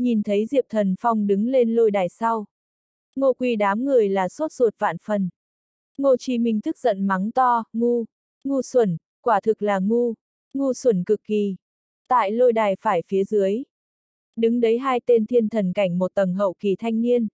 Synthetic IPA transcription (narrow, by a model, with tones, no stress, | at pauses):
ɲi˨˩nt̪ʰə˨˦jzḭ˨˧˨əp̚t̪ʰə˨˩nfa˧wŋ͡mɗɨ˨˦ŋle˧nlo˧jɗaː˨˩jsa˧w | ŋo˧kwi˧˩ɗaː˨˦mŋɨ˨˩əjlaː˨˩so˦˥t̚z̥o˨˩t̚va̰ː˧˨nfə˨˩n | ŋo˧t͡ɕi˧˩mï˨˩ŋ̟t̪ʰɨ˦˥k̚zə̰˧˨nma˨˦ŋt̪ɔ˧ŋu˧ | ŋu˧swə˧˩n | kwaː˧˩t̪ʰɨ˨˩k̚laː˨˩ŋu˧ | ŋu˧swə˧˩nkɨ˨˩kːi˨˩ | t̪a̰ː˧˨jlo˧jɗaː˨˩jfaː˧˩jfi˨˦əzɨ˨˦əj | ɗɨ˨˦ŋɗə˨˦jɦaː˧jt̪e˧nt̪ʰi˧ənt̪ʰə˨˩nka˧˩jŋ̟mo˨˩t̚t̪ə˨˩mɦə̰˧˨wki˨˩t̪ʰa˧jŋ̟ni˧ən